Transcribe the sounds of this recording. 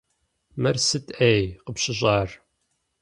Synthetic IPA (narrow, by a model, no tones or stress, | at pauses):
mɐrsɨtʰejqəpɕɪʑɑːr